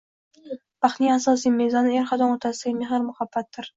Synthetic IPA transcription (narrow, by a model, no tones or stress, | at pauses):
b̥aχnijasɒs̬ijmezɒnɪeɾχad̪ɒnot̪ʰasɪɡʲameɦɪɾmʊχabːat̪̚ːɪɾ